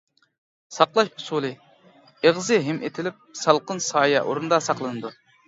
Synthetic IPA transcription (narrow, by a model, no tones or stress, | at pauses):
sɑqlˠɑʃhʊsulˠɨ | eʁzɨɦɪmʔḛt̪ʰɪlɪp̚sɑlˠqənsɑːjɛʔo̰ɾund̪ɑsɑqlˠɨnɨd̪u